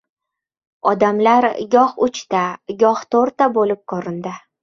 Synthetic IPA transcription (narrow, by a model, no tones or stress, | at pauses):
ɒd̪amlaɾɡʲɒhʊt͡ʃt̪aɡʲɒht̪ʰoɾt̪abolɪp̚kʰɒɾɪnd̪ɪ